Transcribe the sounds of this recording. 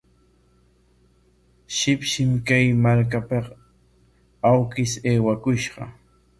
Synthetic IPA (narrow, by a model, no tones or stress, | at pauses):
ʃɪpʃɪmkajmaɾk̬apɑq | awkɪseːwakʊʃɢɑ̰